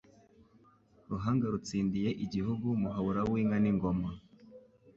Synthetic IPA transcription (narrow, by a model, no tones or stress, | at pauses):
ɾuɦaːŋɡaɾut͡siːndije̞ʔiɟihuɡumuɦaβuɾawiːŋaniŋɡo̞ma